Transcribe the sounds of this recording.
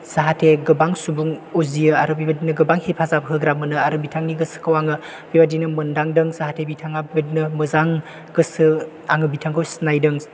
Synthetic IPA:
saɦatʰeɡɯbaŋsubuŋuzijɯaɾɯbibadinɯɡɯbaŋhepʰazapɦɯɡɾamɯnɯaɾɯbitʰaŋniɡɯsɯ̥kʰɐwaŋɯ | bibadinɯmɯndaŋdɯŋsaɦatʰebitʰaŋabibadinɯmɯzaŋ | ɡɯsɯ | aŋɯbitʰaŋkʰɯwsnajdɯŋ

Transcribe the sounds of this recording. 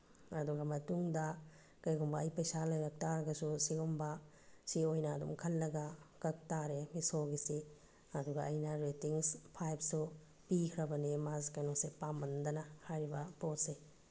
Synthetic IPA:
ɐduɡɐmɐtuŋdɐ | kɐjɡumbɐːjpɐjsalɐjbɐk̚taɾɐɡɐsusiɡumbɐ | siojnɐːdṵmkʰɐlːɐɡɐkɐk̚taɾemisoɡise | ɐduɡɐʔːjnɐɾetiŋspʰajpsu | pikʰɾɐbɐnimazkɐjnosepambɐndɐnɐhajɾibɐpot̚se

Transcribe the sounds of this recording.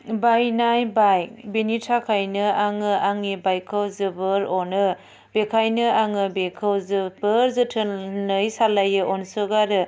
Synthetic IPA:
bajnajbaj̚benitʰakʰajnɯaŋɯaŋnibajkʰɯwzɯbɯɾɔnɯ | bekʰajnɯaŋɯbekʰɯwzɯbɯɾzɯtʰɯnɯjsalajɯʔɔnsɯɡaɾɯ

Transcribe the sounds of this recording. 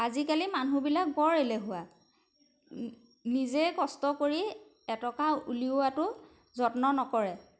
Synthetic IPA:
azikalimanubilak̚bɔɹelɛɦʊwa | nizɛkɔstɔkoɹi | ɛtɔkaṵliʊatʊ | zɔtnɔnɔkɔɹɛ

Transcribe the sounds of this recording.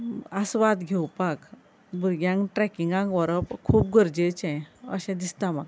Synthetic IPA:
asʋat̪ɡʱewpak | buɾɡjãŋkʈɾɛkiŋɡãŋkʋɔɾəpkʰuːp̚ɡəɾd͡ʑet͡ɕɛ̃ə̰ɕɛ̃d̪ist̪ãmaɡ

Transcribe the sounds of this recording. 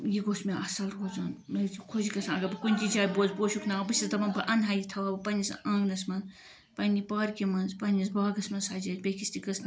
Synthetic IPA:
jiɡoːsmeʔɐsɐlɦozaːnmeikʰozikɐsãɐɡɐbɐkunʲt͡ʃid͡ʒaːjboːzboːʃʰuknabɨsʲisd̪ɐmɐnbɐʔɐnɦaːjit̪ʰɐʋaːbɐpɐnʲisɐ̃ːɡnɐsmɐn | pɐnʲipaːɾkimɐnzpɐnʲizbaːɡɐsmɐnsaːd͡ʒɐt̪bʲekist̪ikɐsn

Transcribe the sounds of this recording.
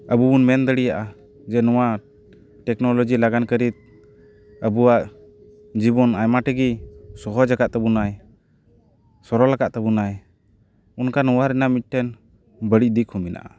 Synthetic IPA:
əbubunmɛnd̪əɽijaʔa | d͡ʒɛnɔwa | ʈɛknɔlɔd͡ʒilaɡankəɾit̪̚ | əbuwaʔ | d͡ʒibɔnajmaʈəɡisɔɦɔd͡ʒakaʔt̪ɛbunaj | sɔɾɔlakaʔt̪ɛbunaj | unkanɔwaɾɛnamit̪̚ˀʈʰɛn | bəɽic̚ˀd̪ikʰuminʔa̰ʔa

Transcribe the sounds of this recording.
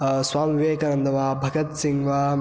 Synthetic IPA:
swaːmiʋeːkɐnɐnd̪ʱɐʋaːbʱɐɡɐt̪siŋɡʋa

